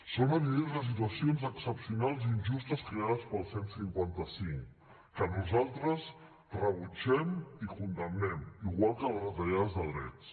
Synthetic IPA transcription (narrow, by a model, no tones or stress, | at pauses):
sonəβilezðəs̬it̪̬uəsionzəksəpsiunalˠzinʲʒust̪əskɾeaðəspəlˠsensiŋkwant̪əsiŋk | kənuzalˠt̪ɾəs | rəβut͡ʃɛmikund̪əmnɛmiɣwalˠkələzət̪əʎaðəzðəðɾɛ̰ts